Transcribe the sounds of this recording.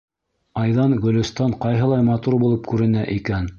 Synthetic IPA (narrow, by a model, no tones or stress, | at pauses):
ɑjðɑnɡɵ̆lɵ̆st̪ɑɴqɑjɦɤ̆lˠɑjmɑt̪uɾbulˠɤp̚kʉɾɘ̆næʔikæn